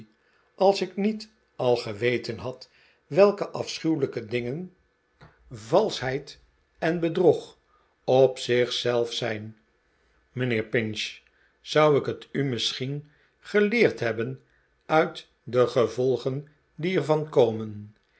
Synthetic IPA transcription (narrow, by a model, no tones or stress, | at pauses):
ɑlˠsɪknit | ɑlˠχəʋejtənɦɑt | ʋɛlˠkəʔɑfsχywləkədɪŋən | vɑlˠsɦɛjt | ɛnbədruχ | ɔpsɪχsɛlˠfsɛjn | mənɪːɹpɪnʃ | z̥ʌwɪkətymɪsχin | χəlɪːɹtɦɛbən | œɥt | dəχəvɔlˠχən | diɛɹvɑnkowmən